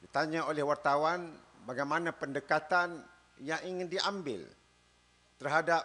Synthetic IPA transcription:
dit̪aɲaolɛhwart̪awanbaɡajmanãpəndəkat̪an | jaŋiŋɪndiambɪ̰l | t̪ərɦadap̚

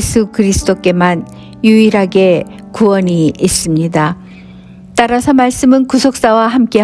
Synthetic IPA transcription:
sʰukɯɾisʰɯ̥d͈ok͈e̞man | juiɾaɡe̞ | kuwʌniis͈ɯmɲida | t͈aɾasʰʌmaɭs͈ɯmɯnkusʰok̚s͈awaɦamk͈e̞

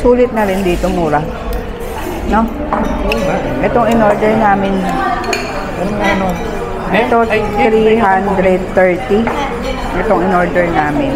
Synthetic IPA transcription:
suːlɪt̪̚nɐɾɪnd̪iːt̪omuːɾa | no̞ | ʔɛt̪oŋɪnoɹd̪ɛɹnaːmɪn | ɐnno | ʔɛt̪ot̪ɾiɦand̪ɾɛd̪̚t̪ɛɹt̪i | ŋɛt̪oŋɪnoɹd̪ɛɹnaːmɪn

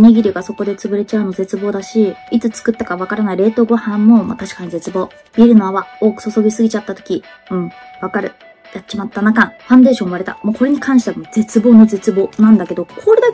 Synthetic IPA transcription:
ɲʲeɡʲiɾʲiɡaso̞ko̞d̪e̞t͡sɨbɯ̟ɾe̞t͡ɕaɯ̟no̞ze̞t͡sɨbo̞ːd̪aɕiit͡sɨt͡sɨ̥kɯ̟t̪ːakaβ̞akaɾanaiɾe̞ːt̪o̞ɡo̞hãmːo̞ma̰t̪aɕi̥kaɲ̟ize̞t͡sɨbo̞ː | b̥ʲiɾɯ̟noaβao̞ːkɯ̥so̞so̞ɡʲisɨɡʲit͡ɕat̪ːat̪okʲi | ɯ̟̃ɴ | βakaɾɯ̟ | jat͡ɕimat̪ːanakãɸãnd̪e̞ːɕõɰ̃βaɾe̞t̪a̰moko̞ɾe̞ɲ̟ikʰãɰ̃ɕi̥t̪eβamod͡ze̞t͡sɨbo̞ːno̞d͡ze̞t͡sɨbo̞ːnãnd̪ake̞d̪o̞kʰoɾe̞d̪a

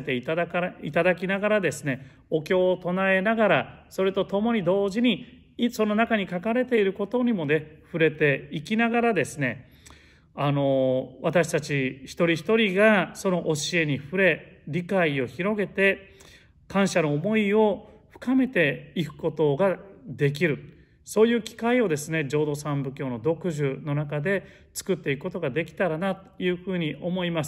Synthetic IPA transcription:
t̪e̞it̪aakait̪ad̪akʲinaɡaɾad̪e̞sɨne̞ | o̞kʲo̞ːt̪o̞nae̞naɡaɾaso̞ɾet̪o̞t̪o̞mo̞ɲ̟id̪o̞ːʑiɲ̟i | so̞no̞nakaɲ̟ikakaɾe̞t̪e̞iɾɯ̟ko̞t̪o̞ɲ̟imo̞ne̞ɸɯ̟ɾe̞t̪e̞ikʲinaɡaɾad̪e̞sɨne̞ | ano̞βat̪aɕi̥t̪at͡ɕiçi̥t̪o̞ɾʲiçi̥t̪o̞ɾʲiɡaso̞no̞ʔoɕie̞ɲ̟iɸɯ̟ɾe̞ɾʲikaio̞çiɾo̞ɡe̞t̪e̞ | kãɰ̃ɕano̞ːmo̞io̞ | ɸɯ̥kame̞t̪e̞ikɯ̟̥ko̞t̪o̞ɡad̪e̞k̬ʲiɾɯ̟ | so̞ːjɯ̟ːkʲi̥kaio̞d̪e̞sɨne̞d͡ʑo̞ːd̪o̞sãmbɯ̟kʲo̞ːno̞d̪o̞kɯ̟ʑɨno̞nakad̪e̞ | t͡sɨ̥kɯ̟t̪ːe̞ikɯ̟̥ko̞t̪̬o̞ɡad̪e̞kʲi̥t̪aɾanat̪ojɯ̟ːɸɯ̟ːɲ̟iʔo̞mo̞imasɨ̥

